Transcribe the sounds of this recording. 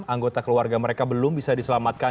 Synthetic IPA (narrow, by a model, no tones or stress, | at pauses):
aŋɡot̪akəluarɡaməɾekabəlʊmbisadisəlamat̪̚ka